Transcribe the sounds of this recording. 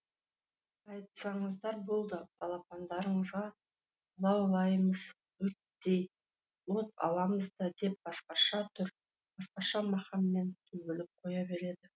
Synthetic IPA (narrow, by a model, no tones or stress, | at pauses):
ɑjt̪sɑɴəzd̪ɑɾbo̞lˠd̪əbʰɑlˠɑpɑnd̪ɑɾəɴəzʁɑ | lˠɑwlˠɑjməz̥ | wɵt̪ | d̪ej | wot̪ɑ̰lˠɑməzd̪ɑd̪e̞p̚bɑsqɑʃɑt̪ʰʏɾ | b̥ɑsqɑʃɑmɑχɑmːe̞nt̪ʰɵɡʲɪlɪp̚qʰo̞jɑbe̞ɾe̞d̪ɪ